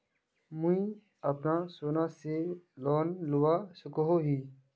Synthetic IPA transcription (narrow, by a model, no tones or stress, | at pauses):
mũĩ | əpnasoːnaselɔːnlʊwasʊkoɦoɦiː